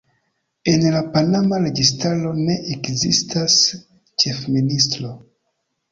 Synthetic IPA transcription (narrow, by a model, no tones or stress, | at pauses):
e̞nlapanamaɾe̞ɡistaɾo̞ne̞ʔekzḭstʰas | t͡ʃe̞fministɾo̞